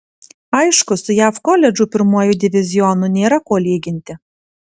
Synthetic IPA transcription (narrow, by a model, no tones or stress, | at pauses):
ɐɪʃkʊsʊjæːfkɔlʲɛd͡ʒʊpʲɪɾmuɔjud̪ʲɪʋʲɪzʲɪjɔnunʲeːɾɐkoːlʲiːɡʲɪnʲt̪ʲɪ